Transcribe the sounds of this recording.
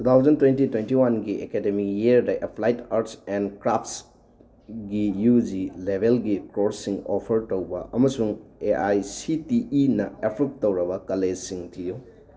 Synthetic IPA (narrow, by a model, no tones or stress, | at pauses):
tʰut̪ʰawzɐntwentitwentiwanɡiʔekedemikjieɾdɐʔepʰlajtaɾtsendkɾapʰts | ɡijud͡ʒilebʱelɡikɾoɾsiŋopʰɐɾtowbɐ̰ɐmɐsuŋeʔajsitiʔinɐepʰɾuk̚towɾɐbɐkɐlesiŋtʰiju